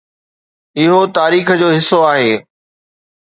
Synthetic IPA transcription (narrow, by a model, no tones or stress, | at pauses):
ɪɦot̪aːɾiːxəd͡ʑoːɦɪsːoaːɦeː